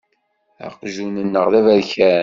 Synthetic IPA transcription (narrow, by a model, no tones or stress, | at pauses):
ɑ̰qʒunənːəʁðævæðçæ